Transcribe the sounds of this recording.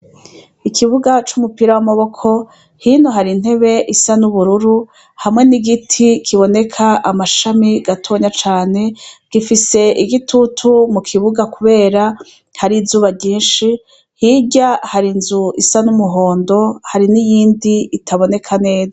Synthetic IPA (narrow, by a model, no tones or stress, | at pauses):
ikʰiβuɡat͡ʃumupiɾawamaβo̞kʰo̞ | hiːnoɦaɾin̥he̞βe̞ʔisanuβuɾuɾu | hamŋe̞niɡitʰikʰiβo̞ne̞kʰaʔamaʃamiɡatʰo̞ːɲat͡ʃaːne̞ɡ̥ifise̞ʔiɡitʰutʰumukʰiβuɡakuβe̞ːɾa | haɾizuːβaɟiːnʃi | hiɟahaɾinzuisanumuɦo̞ːndo̞haɾinijiːndiitʰaβo̞ne̞kʰane̞ːza